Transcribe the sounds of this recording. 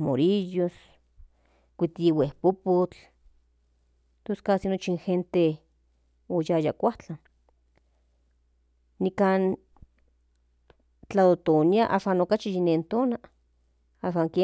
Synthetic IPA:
mo̰ɾijos | kʷit̪iwehpopot͡ɬ | t̪oskasinot͡ʃinxent̪e | ojajakʷaht͡ɬan | nikan | t͡ɬaðot̪oniaʔa̰ʃaːnokat͡ʃijinent̪oːna | aːʃaŋke

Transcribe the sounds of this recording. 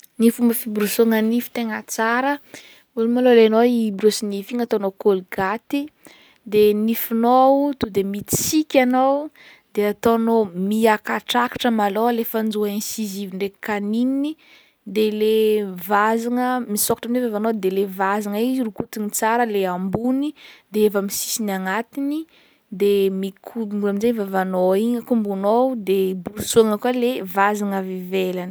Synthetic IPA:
nifumbəfibɾusoŋənifi̥t̪eŋət͡saɾə | ulimaloleanoibrosinifiŋat̪onokolɡat̪i | d̪enifunot̪ud̪emiti̥sikʲanow | d̪eat̪onomiakaʈ͡ʂaki̥ʈ͡ʂəmaloalefənd͡zuaensiziviɳɖ͡ʐe̥kaninini | d̪elevazaŋəmisokḁʈ͡ʂamnevavanod̪elevazaŋaizirukut̪init͡saɾəleambunid̪eevəmisi̥sinaŋat̪ini | d̪emikʰumulaminzejvavanoiŋəkumbunowd̪ebulusuaŋəkalevazaŋəvivelani̥

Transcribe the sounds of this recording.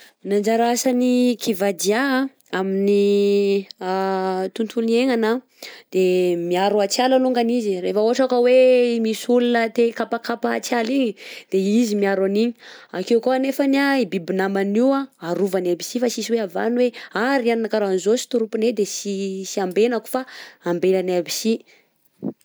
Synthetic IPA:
nand͡ʒaɾasanikʰivad͡ʒ̪ia | amini | t̪unt̪ʰulieŋana | d̪̥emiaɾuat͡sjalaluŋɡanizirefəoaʈ͡ʂakəwemisulunət̪ekapakapat͡sjaliɲid̪̥eizimiaɾaniɲiakewkoanefaniaibibinamaniwaaɾuvanabisifasisiweava̰nweaɾianinakaɾanzosi̥t̪uɾupuned̪esisiambenaku̥faambelanabisi

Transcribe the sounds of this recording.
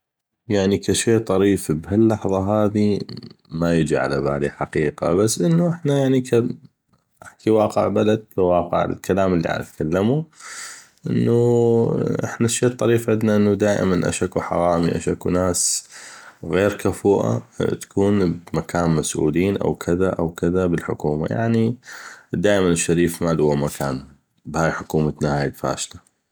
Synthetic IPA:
jaʕnikaʃeːʔt̪ˤɑɾiːfbɦalːɑħðˤɑɦaːðimajɪd͡ʒʕa̰laba̰ːliħaqiːqa̰basːʔənːuʔɪħnajaʕnikʰa | ʔaħkiwɑːqə̰ʕbalad̪̚kawɑːqə̰ʕɪ̰lkalaːməlːḭʕa̰na̰t̪kʰalːamu | ʔɪnːu | ʔɪħnaʃːeːt̪ˤːɑɾiːfʕɪd̪naʔɪnːud̪aːʔɪ̰manʔa̰ʃakuħa̰ɾˤɑːmiʔa̰ʃakunaːs | ɣeːɾkafuːʔa̰t̪ḁkʰuːnbmakaːnmasʔṵːliːnʔa̰wkʰɪðaʔawkɪðabɪlħʊkuːma̰ja̰ʕni | d̪aːʔɪmanɪʃːaɾiːfmalʊwamakʰaːn | bhaːjħʊkuːmat̪nahaːjɪlfa̰ːʃt̪a

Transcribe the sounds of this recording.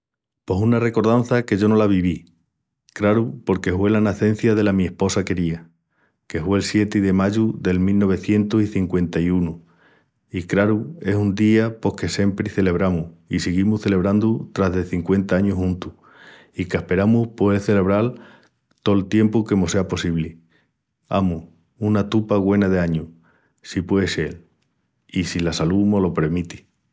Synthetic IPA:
po̞sunare̞ko̞ɾðanθake̞ʝo̞no̞laβiβ̞i | kɾaɾupo̞ɾke̞fwe̞lanaθe̞n̟θjaðe̞lamĩe̞hpo̞sake̞ɾia | ke̞fwe̞ːlsje̞t̪iðe̞maʎuðe̞lmilno̞β̞e̞θje̞nt̪osiθiŋkwe̞nt̪aiunu | ikɾaɾue̞sund̪iapo̞hke̞se̞mpɾiθe̞le̞βɾamuhisiɣimuhθe̞le̞β̞ɾand̪ut̪ɾaɦðeθiŋkwe̞nt̪aaɲuɦhũnt̪u̥ | ikehpe̞ɾamuhpweðeθe̞le̞β̞ɾal | t̪o̞lt̪je̞mpuke̞mose̞apo̞siβli | a̰muh | unat̪upaɣwe̞naðe̞aɲu | sipwe̞ese̞l | isilasalumo̞lo̞pe̞ɾmit̪i̥

